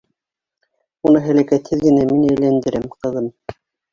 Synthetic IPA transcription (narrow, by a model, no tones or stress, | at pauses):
unɤɦæ̆lækæt̪hɘðɡɘ̆næminæjlænd̪ɘ̆ɾæmqɤ̆ðɤm